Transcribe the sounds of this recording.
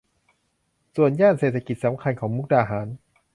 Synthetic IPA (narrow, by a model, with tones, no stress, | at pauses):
su˨˩ənjaː˥˩nseː˨˩t̪ʰa˧ki˨t̪̚sa˩˦mkʰa˧nkʰɔː˩˦ŋmu˦˥k̚daː˧˩ɦaː˩˦n